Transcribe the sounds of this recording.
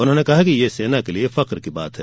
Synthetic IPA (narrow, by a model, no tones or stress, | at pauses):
ʊnɦõːnekɐɦakijeseːnakeliefɐqɾkiba̰ːt̪ɦɛː